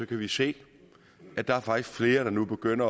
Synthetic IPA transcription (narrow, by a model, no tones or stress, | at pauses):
ɒ̽kʰæʋise̝̰ː | ʔæd̥ɑ̈æɐfɑ̈ɡ̥d̥isɡ̥fle̝ːɐɾ̥ɑ̈nub̥e̝ɡ̥øn̰ɐ